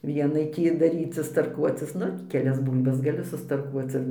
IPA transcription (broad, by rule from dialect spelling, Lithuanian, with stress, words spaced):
ˈʋʲiɛnɐɪ ˈtʲiː dɐˈrʲiːt͡sʲɪs tɐrˈkuɔt͡sʲɪs ˈnʊ kʲɛˈlʲɛs ˈbuːlʲbɐs ɡɐˈlʲɪ sʊstɐrˈkuɔt͡s ɪr